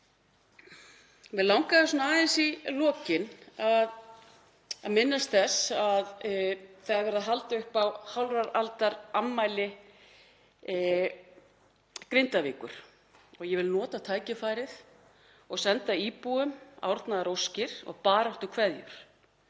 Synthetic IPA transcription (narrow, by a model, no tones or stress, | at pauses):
vɪðlawŋkaðɪsɔnaaːðɪnsilɔːcɪnað | a̰ðmɪnːast̪θɛsað | θaɾvɛɾaðɦalt̪aʏhpawhawlraɾalt̪aɾammːaːjlɪ | kɾejnt̪aviːkʏɾ̥ | ɔɣjɛvɪlnɔːt̪at̪ʰaːjcɪfaːjɾɪθ | ɔɣsɛnt̪aiːpuʏma̰wɾt̪naðɾowscɪɾ̥ɔ̰ɣpaːɾaht̪ʏkʰvɛðjʏ̰ɾ̥